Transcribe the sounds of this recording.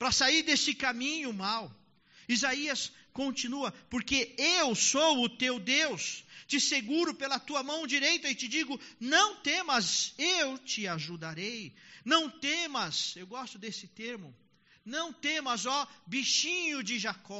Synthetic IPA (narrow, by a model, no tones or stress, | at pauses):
pɾɐsaiɾd̪esɪkamĩɲʊmaw | izaiɐs | kõnt͡ʃĩnuɐpoɾkeewsowʊt̪ewd̪ewst͡ʃɪseɡuɾʊpelɐt̪uɐmɐ̃w̃d͡ʒiɾejt̪ɐɪt͡ʃɪd͡ʒiɡʊnɐ̃w̃t̪ẽmɐzewt͡ʃɪaʒud̪aɾejnɐ̃w̃t̪ẽmɐzewɡɔst̪ʊd̪esɪt̪eɾmʊ | nɐ̃w̃t̪ẽmɐzɔbiʃĩɲʊd͡ʒɪʒakɔ